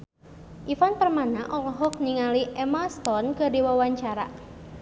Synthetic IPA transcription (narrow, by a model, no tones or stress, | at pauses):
ʔifanpərmanaʔɔlɔɦɔk̚niŋaliʔɛmast̪ɔnkɨrdiwawaɲt͡ʃaɾa